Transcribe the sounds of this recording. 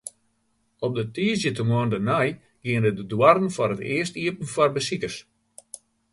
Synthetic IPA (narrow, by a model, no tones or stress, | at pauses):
ɔp̚dətiːzjətəmwɔəndənaj | ɡ̥iəndədədwarən̩fɔrətɪ̰əstiəpn̩fɔrbəsikərs